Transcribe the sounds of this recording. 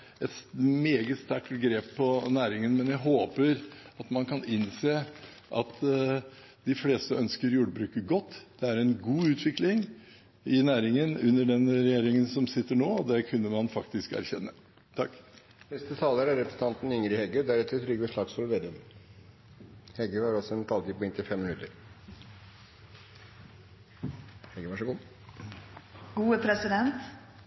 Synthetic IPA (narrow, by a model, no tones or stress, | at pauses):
ɛt̪meːɡəst̪æʈɡɾeːpʰːɔnæːɾɪŋənmɛnjæɪɦoːpəɾɑt̪mɑnkʰɑnɪnseː | ʔɑt̪ | d̪̥ɪfleːst̪əœnskəɾjuːɖəbɾʉːkəɡɔt̪ːd̪̥ɛæɾɛnɡuːʉːt̪ʰʋɪklɪŋ | ɪnæːɾɪŋənʉnːəɖɛnɾɛjeːɾɪŋənsɔmsɪt̪ːəɳoːɔd̪ɛkʰʉnːəmɑnfɑkt̪ɪskæ̰ɾçɛ̰nːə | t̪ʰɑkː | nɛst̪ət̪ʰɑːləɾæɾɾɛpɾəsn̩t̪ɑnt̪n̩ʏŋɾɪhɛɡød̪æɾɛt̪ːəɾt̪ʰɾʏɡəʂɭɑːɡsfɔlʋeːd̪ən | hɛɡøhɑɾɔsɔɛnt̪ʰɑlt̪ɪːpːɔɛnt̪ɪfɛmːɪnʉt̪əɾ | hɛɡəʋɑʂəɡuː | ɡ̥uːəpʰɾɛsɪd̪ɛnt̪